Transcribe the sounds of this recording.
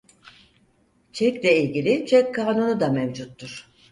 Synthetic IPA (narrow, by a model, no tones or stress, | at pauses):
t͡ʃʰɛclʲɛilʲɟilʲit͡ʃʰɛkʰːaːnonud̪amɛmd͡ʒut̪ːuɾ̥